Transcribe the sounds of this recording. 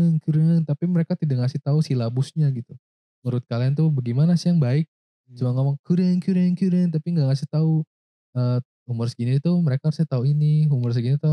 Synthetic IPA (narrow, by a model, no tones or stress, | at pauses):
əŋkiɾnt̪apiməɾekat̪idak̚ŋasɪht̪ausilabusɲaɡit̪u | ŋuɾʊt̪̚kaliant̪ubəɡimanasiaŋbaɪk̚ | t͡ʃumaŋemaŋkiɾɛŋkiɾɛŋkiɾɛnt̪apiŋɡaʔŋasɪht̪au | ə | umʊrsəɡinit̪uməɾekaɾusat̪auiniɦumʊrs̬ɡinit̪u